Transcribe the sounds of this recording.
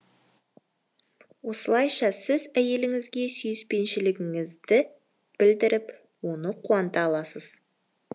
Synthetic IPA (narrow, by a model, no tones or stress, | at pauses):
wo̞səlˠɑjʃɑsɪzæje̞lɪŋɪzɡʲe̞syjɪspe̞nʃɪlɪɡʲɪŋɪzd̪ɪ | b̥ɪld̪ɪɾɪp | wo̞nəqʰuɑnt̪ɑlˠɑsəz̥